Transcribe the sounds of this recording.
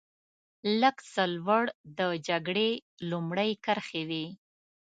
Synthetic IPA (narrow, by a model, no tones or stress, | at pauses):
ləksəlwəɽd̪əd͡ʒaɡɽe | lumɽəjkəɾxewi